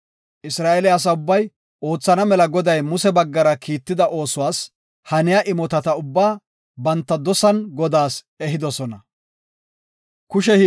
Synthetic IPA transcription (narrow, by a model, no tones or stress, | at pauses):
ʔɪsɾaːʔɛlɪɐs̬ɐʊbːɐj | ʔo̞ːt͡sːɐnɐmɛlɐɡɔd̪ɐjmʊsɛbɐɡːɐɾɐkʰiːt̪ːɪd̪ɐʔo̞ːsʊwaːs | hɐnɪjaʔɪmɔt̪ɐt̪ɐʊbːaː | bɐnt̪ːɐd̪ɔsɐnɡɔd̪aːs | ɛɦɪd̪ɔsɔnɐ | kʊʃɛ